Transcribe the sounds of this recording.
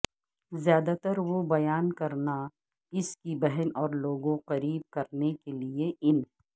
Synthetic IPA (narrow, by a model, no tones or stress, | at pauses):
zjaːd̪at̪əɾʋobɐjaːnkɐɾna | ɪskibɛɦɛnɔːɾloːɡõqɐɾiːb̚kɐɾnekelieʔɪnɦɛ